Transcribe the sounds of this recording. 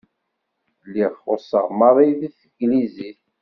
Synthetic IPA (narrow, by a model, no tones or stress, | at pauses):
lːiʁχosə̰ʁmɑɾˤiðiθəɡliziθ